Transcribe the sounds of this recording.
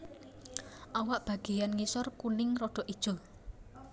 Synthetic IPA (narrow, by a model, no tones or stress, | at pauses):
ʔawaʔb̥ä̤ɡ̥e̤janŋisɔrkunɪŋrɔɖ̥ɔ̤ʔid̥ʒ̥o̤